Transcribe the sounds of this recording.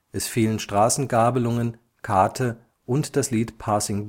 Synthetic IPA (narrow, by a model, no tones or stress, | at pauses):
ʔɛsfiːlənʃtʁ̥aːsn̩ɡaːbəlʊŋən | kʰaɐtʰə | ʔʊntd̥asliːtpʰaːsɪŋb